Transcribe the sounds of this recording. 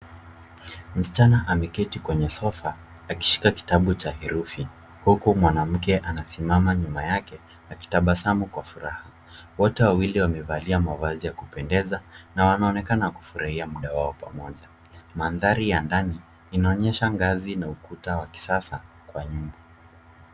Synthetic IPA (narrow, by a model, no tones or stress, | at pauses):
m̩sit͡ʃanaʔamɛkɛtikwɛɲɛsɔfaː | ki̥ʃi̥kaki̥taɓut͡ʃahiɾufi | hukumwanam̩kɛʔanasimamaɲumajakɛ | aki̥taɓasamukwafuɾaha | wɔtɛwawiliwamɛvaliamavazijakupɛndɛzanawanaɔnɛkanaku̥fuɾʔahiamuɗawaɔpa̰mɔʄa | manðaɾijandaniː | naɔɲɛʃaŋɡazinaukutawaki̥sasa | kwaɲumbɔ